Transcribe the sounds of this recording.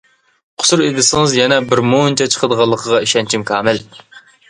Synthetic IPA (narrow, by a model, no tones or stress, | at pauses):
qʰʊ̥suɾed̪ɪsɪŋɨzjɛnɛbɪɾmont͡ʃʰɛt͡ʃʰə̥qʰəd̪əʁɑlˠːəqʰəʁɑiʃɛnt͡ʃʰimkʰɑːmɪl